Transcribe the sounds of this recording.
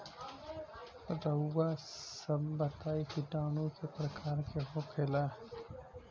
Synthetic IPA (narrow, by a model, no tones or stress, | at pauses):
ɾɐwaːsɐbːɐt̪aːikiʈaːnõkepɾɐkaːɾkeɦokʰeːlaː